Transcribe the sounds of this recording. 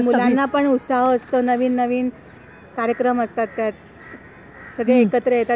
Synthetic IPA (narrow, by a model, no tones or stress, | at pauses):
mulanːapəɳut̪saɦəst̪ənəʋiːnːəʋiːn | kaɾjəkɾəməst̪at̪ːjat̪ | səɡɭeekət̪ɾəet̪a